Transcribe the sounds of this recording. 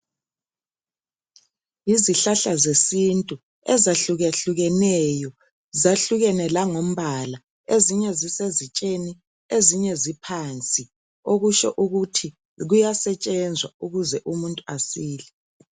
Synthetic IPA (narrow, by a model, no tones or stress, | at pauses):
iziɬaɬazesintʼu | ɛzaɬuɣɛɬuɣɛnɛjɔ | zaɬuɣɛnɛlaŋom̩βala | eziɲɛzisezit͡ʃʼeni | eziɲɛzipʰant͡sʼi | oɣuʃɔ̰ʔuɣutʰi | ɣujasɛt͡ʃʼɛnd͡zʱwauɣuzɛʔumuntʼuasiːlɛ